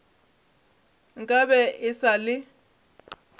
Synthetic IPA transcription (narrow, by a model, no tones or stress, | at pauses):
ŋkʼabɛʔɪsalɪ